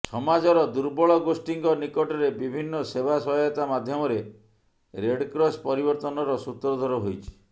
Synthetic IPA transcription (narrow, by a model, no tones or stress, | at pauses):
sɔmad͡ʒɔɾɔd̪uɾbɔɭɔɡosʈiŋɡɔnikɔʈɔɾebibʱinːɔsebʱasɔɦɔjɔt̪amad̪ʱjɔmɔɾe | ɾeɖkɾɔspɔɾibɔɾt̪ɔnɔɾɔsut̪ɾɔd̪ʱɔɾɔɦojt͡ʃʰi̥